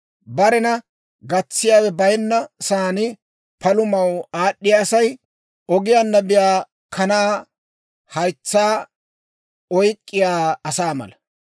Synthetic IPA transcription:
bɐɾɛnɐ | ɡɐt͡sːɪjaːwɛbɐjnːɐsaːnɪ | pɐlʊmɐwaːɗːɪjasɐj | ʔɔɡɪjanːɐbɪjaː | kʰɐnaː | hɐjt͡sːaː | ɔjkʼːɪjaːɐsaːmɐ̰lɐ

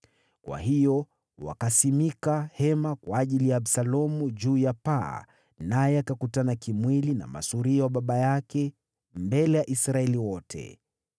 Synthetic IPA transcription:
kwa̰hijɔ | wa̰kasimikahɛmakwaːʄilijaːɓsalɔmuʄuːjapa̰ | najɛakakutanakimwilina̰ma̰suɾiawaɓaɓajakɛ | mbɛlɛjaʔisɾaɛliwɔtʰɛ̰

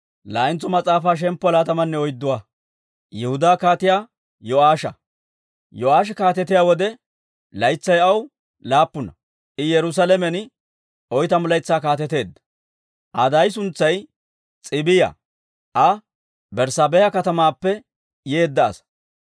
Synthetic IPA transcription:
laːɪnt͡sːɔmɐt͡sʼaːfaːʃ̬ɛmpːɔlaːt̪ɐmɐnːɛɔjd̪ːʊwaː | jɛhʊd̪aːkaːt̪ɪjaː | jɔaːʃɐ̰ | jɔaːʃ̬ɛkaːt̪ɛt̪ɪjawɔd̪ɛ | lɐjt͡sːɐjɐw | laːpːʊnɐ | ʔɪjɛɾʊs̬alɛmɛn | ɔjt̪ɐmʊlɐjt͡sːaːkaːt̪ɛt̪e̞ːd̪ːɐ̥ | ʔɐd̪ɐjs̬ʊnt͡sːɐj | t͡sʼɪbɪjɐ̰ | ʔɐ | bɛɾsabɛjɐkɐt̪ɐmaːpːɛ | je̞ːd̪ːɐ̰ːs

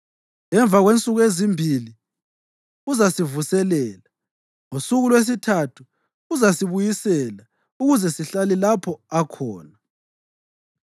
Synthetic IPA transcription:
ɛɱb̪vʱaɣwent͡sʼuɣwezimbʱili | uzasivusɛlɛːla | ŋusuɣulwes̬itʰatʰu̥ː | zasiβujisɛla | uɣuzɛsiɬalilapʰɔakʰɔːna

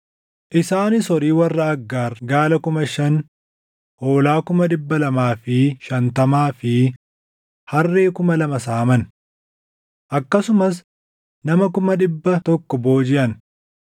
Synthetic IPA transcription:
ʔɪsaːnɪsɔɾiːwɐrːɐɐɡːaːɾɡaːlɐkʊmɐʃɐn | ʔo̞ːlaːkʊmɐᶑɪbːɐlɐmaːfɪʃɐnt̪ɐmaːfɪ | hɐrːe̞ːkʊmɐlɐmɐsaːmɐn | ʔɐkːɐsʊmɐs | nɐmɐkʊmɐᶑɪbːɐt̪ɔkːɔbo̞ːd͡ʒɪʔɐn

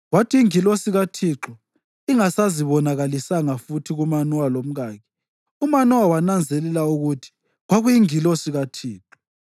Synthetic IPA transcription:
watʰiːŋilosiɣatʰiːǁɔ | iŋasaziβɔnaɣalisaŋafutʰiɣumanwalom̩ɣaːɣi̥ | umanuwawanand͡zʱɛlɛlauɣutʰi̥ | ɣwaɣujiŋilosiɣatʰiːǁɔ̥

